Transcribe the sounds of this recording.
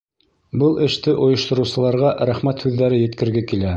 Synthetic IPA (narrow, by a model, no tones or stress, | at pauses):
bɤlˠɘ̆ʃt̪ɘʔŏjɤ̆ʃt̪ŏɾɤ̆wsɤ̆lˠɑɾʁɑʔɾæχmæt̪hʉðːæɾɘjɘ̆t̪kɘ̆ɾɡækilæ